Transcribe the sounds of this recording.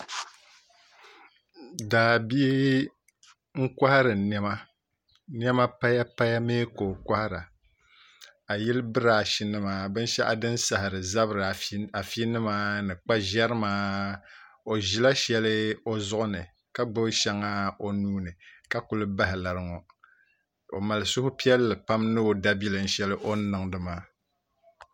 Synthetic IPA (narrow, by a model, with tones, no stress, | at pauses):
daː˨bi˦ | ŋ̩˦kʷa˦hɾɨ˨nɛ˦ma˦ | n˦ɛ˦ma˦pa˦ja˦pa˦ja˦meː˦ko˨ka˦ha˦ɾa˨ | a˨jɛ˦lbɨ˦ɾa˨ʃi˦nɨ˦maː˨bɨ˦n˦ʃɛ˦ʔa˦dɨ˦nsa˨hɪ˨ɾɨ˨za˦βɾɨ˨a˨fi˦nɨ˦maː˦nɨ˨k͡pa˦ʒɛ˦ɾɨ˦maː˦ | o˨ʒi˨la˦ʃɛ˦lɨ˦o˦zʊ˦ʔʊ˦nɨ˨ | ka˦ɡ͡bɨ˦bʃɛ˦ŋa˦o˦nuː˦nɨ˨ka˦ku˦lɨ˦ba˦ɦɪ˨la˨ɾɨ˦ŋɔ˨ | o̰˨ma˨lɨ˨sʊ˦hʊ˦pi˦ɛ˦lːɨ˨pa˦mnɨ˦o˦da˦bi˦lɨ˨n̩˦ʃɛ˦lɨ˦ʔo˦nɨ˨ŋdɨ˦maː˦